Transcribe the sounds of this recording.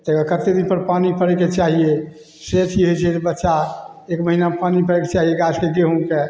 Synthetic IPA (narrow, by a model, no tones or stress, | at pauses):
t̪eɡɔkət̪ed̪inpəɾpanipəɾɛket͡ʃaɦie | set̪ʰiɦojt͡ʃʰɛt̪bətːʃaekməɦinamepanipəɾɛket͡ʃaɦieɡaskeɡeɦoke